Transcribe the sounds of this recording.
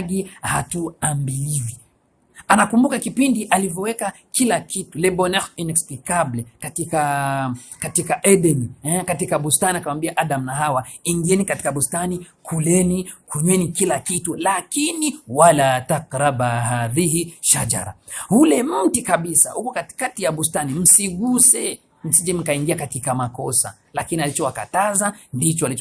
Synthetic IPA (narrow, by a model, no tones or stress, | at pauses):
ɡihatuambiliwi | anakumbukakipindiʔalivɔwɛka | kʰilakitulɛɓɔnɛxinɛksplikablɛkatika | katikaʔɛɗɛniɛkatikaɓustaniakawambiaʔaɗamnaɦawaiŋɡiɛnikati̥kaɓustanikʰulɛnikuɲwɛnikilakitulakiniwalataqɾabahaðihiʃad͡ʒa̰ɾa̰hulɛm̩tikaɓisahukukatkatijaɓustanim̩siɡusɛ | m̩sid͡ʒɛm̩kaiŋɡiakatikamakɔsa̰ | lakinialit͡ʃɔwakatazandit͡ʃɔali